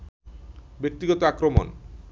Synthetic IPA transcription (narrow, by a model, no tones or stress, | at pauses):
bek̚t̪iɡɔt̪oakɾomo̰n